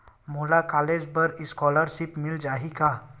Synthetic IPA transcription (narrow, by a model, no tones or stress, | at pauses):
moːlakaːleːd͡ʒpɐɾɪskɔːləɾʃɪpmɪld͡ʒaːɦikaː